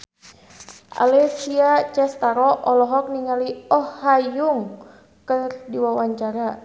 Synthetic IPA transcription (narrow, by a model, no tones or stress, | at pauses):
ʔa̰lɛksiat͡ʃɛst̪aɾɔʔɔlɔɦɔk̚niŋaliɔhːajuŋ | kərdiwawaɲt͡ʃaɾa